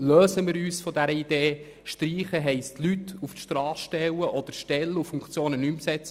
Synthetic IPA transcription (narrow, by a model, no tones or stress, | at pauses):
løːsəmɪːɾyːsfɔdæɾəid̥̪eː | ʃtɾiːχəɦɛɪstʰlyt̪ːuftʃtrɑːsʃtɛwəʔɔd̥̪əɾʃtɛlːufuŋkt͡sjoːnənymsɛt͡sə